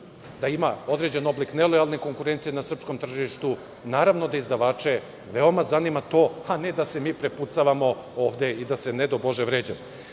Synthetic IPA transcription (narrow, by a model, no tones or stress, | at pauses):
d̪aimao̞d̪ɾe̞d͡ʑe̞no̞bliknelˠo̞jalˠne̞ko̞ŋkuɾent̪sijenasr̩psko̞mt̪r̩ʒiʃt̪u | naːɾaʋnod̪aizd̪aʋaːt͡ʂe̞ | ʋe̞o̞mazanimat̪o̞ːane̞d̪ase̞miːpɾeput̪saʋamo̞ | oːʋd̪e̞id̪asened̪obo̞ʒeʋɾeːd͡ʑamo